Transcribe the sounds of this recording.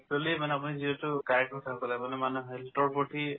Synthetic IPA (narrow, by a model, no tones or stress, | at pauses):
ktɔlimanɛapuniziɔtʊkaɹɛk̚tɔsʰapalajmanɛmanuɦɛltɔɹpɔʈi